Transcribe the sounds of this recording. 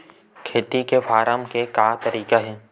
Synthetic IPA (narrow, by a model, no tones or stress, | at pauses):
kʰeːt̪ikefaːɾaːmkekaːt̪ɐɾiːkaɦɛː